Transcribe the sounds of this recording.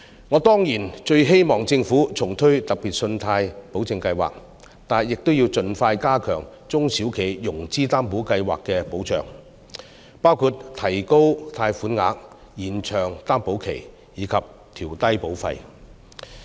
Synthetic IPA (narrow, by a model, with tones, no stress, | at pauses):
ŋɔː˨˧˥t̪ɔː˥ŋjiː˨˩nt͡ʃɵ˧ɥɦe˥jmɔː˨ŋt͡sɪ˧ŋfuː˨˥t͡sʰʊ˨˩ŋt̪ʰɵ˥ɥt̪ɐ˨k̚piː˨t̚sɵ˧nt̪ʰaː˧jpo˨˥wt͡sɪ˧ŋkɐ˧jwa̰ː˨˩k̚ | t̪aː˨jɪ˨k̚t̪o˥wji˧wt͡sɵ˧nfaː˧jkaː˥kʰœː˨˩ŋ | t͡sʊ˥ŋsiː˨˥wkʰe˨˩jjʊ˨˩ŋt͡siː˥t̪aː˥mpo˨˥wkɐ˧jwa̰ː˨kkːɛː˧po˨˥wt͡ʃœ̰ː˨˩ŋ | paː˥wkʰuː˧˩t̚t̪ʰɐ˨˩jko˥wt̪ʰaː˧jfuː˨˥nŋa̰ː˨˥k̚ | jiː˨˩nt͡ʃʰœː˨˩ŋt̪aː˥mpo˨˥wkʰḛ˨˩j | jiː˨˧kʰɐ˨p̚ | t̪ʰiː˨˩wt̪ɐ˥jpo˨˥wfɐ̰˧j